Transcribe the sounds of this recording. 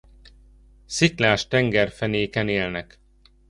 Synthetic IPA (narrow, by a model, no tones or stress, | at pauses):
siklaːʃt̪ɛŋɡɛrfɛneːkɛneːlnɛk